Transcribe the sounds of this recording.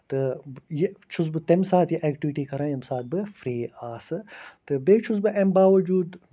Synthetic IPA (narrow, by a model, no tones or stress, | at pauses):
t̪ɨjet͡ʃʰusbɨt̪emsaːt̪jeʔɛːkʈiʋiʈikɐɾaːjɐmsaːt̪̚bɨfɾiːaːsɨt̪ɨbeːt͡ʃʰus̬bɨʔɛmbaːʋɐd͡ʒuːd̪